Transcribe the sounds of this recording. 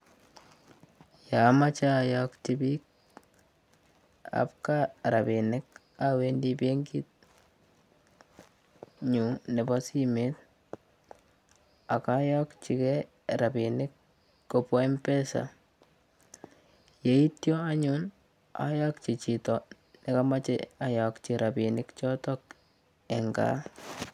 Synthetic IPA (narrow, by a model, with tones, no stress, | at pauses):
ja˨ma˦t͡ʃa˦jakt͡ʃi˨bi˦k̚ | a̰˨p̚ka˦ɾa˨bi˨nɪ˦k | a˦we˦ndi˦pe˦ŋɡɪ˦t̚ | ɲu˨ne˨ba˦si˦me˦t̚ | a˨ka˦ja˦kt͡ʃi˨kɛ˦ | ɾa˨bi˨nɪ˦kː | o˨pɔ˦i˦mpɛ˦sa̰ | je˨i˦tjɔ˦a˦ɲun | a̰˨jakt͡ʃi˨t͡ʃi˨tɔ˨ | nɪ˨ka˦ma˦t͡ʃɛ̰a˨ja˨kt͡ʃi˨ɾʔa˨pi˨nɪ˦kt͡ʃɔ˦tɔ˦k | ɛ˨ŋɡa̰˨˦